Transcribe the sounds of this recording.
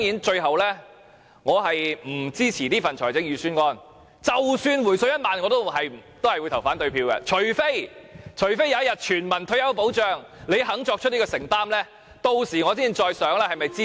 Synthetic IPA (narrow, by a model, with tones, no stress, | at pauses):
tɔ˥jiː˨˥nt͡ʃɵ˧ɥhɐ˨wlɛː˥ | ŋɔː˨˧ɦɐ˨jm̩˨˩t͡siː˥t͡sʰiː˨˩niː˥fɐ˨nt͡ʃʰɔː˨˩jt͡sɪ˨˧˥ŋjyː˨˧syː˥nkɔː˥n | t͡sɐ˨wsyː˧nwuː˨˩jsɵ˧ɥjɐ˥t̚maː˨nŋɔː˨˧t̪o˥hɐ˨jt̪o˥whɐ˨jwt̪ʰwfaː˨˥nt̪ɵ˧ɥpʰiː˧wkɐ̰˧t͡ʃʰɵ˨˩ɥfe˥jt͡ʃʰɵ˨˩ɥfe˥jaː˧jɐ˥t̚jɐ˨˩t̚t͡ʃʰyː˨˩nmɐ˨˩nt̪ʰɵ˧jɐ˨˥wpo˨˥wt͡ʃœː˨ŋle˨˧jɦɐ˨˥ŋt͡ʃɔː˧k̚t͡ʃʰɵ˥ni˥kːɔː˧sɪ˨˩ŋt̪aː˥mlɛː˥ | t̪o˧wsiː˨˩ŋɔ˨˧t͡siː˥i˨˩t͡ʃɔː˧jsœː˨˧˥ŋlɛː˥hɐ˨jmɐ˨jt͡siː˥